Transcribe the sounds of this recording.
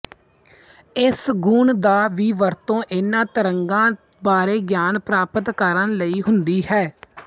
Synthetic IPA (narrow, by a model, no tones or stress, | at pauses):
ɪsɡuːɳd̪aːʋiːʋəɾt̪õːʔɪnãːt̪əɾəŋɡãː | baːɾeːɡjaːnpɾaːpət̪kəɾənləiːɦʊnd̪iːɦɛː